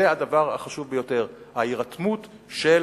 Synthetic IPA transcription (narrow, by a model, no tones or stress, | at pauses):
ead̪avaʁa̰χaʃuvbejo̞te̞ʁhaiʁat̪mut̪ | ʃel